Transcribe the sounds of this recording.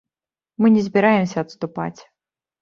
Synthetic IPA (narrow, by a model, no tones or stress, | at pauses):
mɨnʲɪzʲbʲɪɾajɪmsʲɐɐt̪st̪ʊpa̰t͡sʲ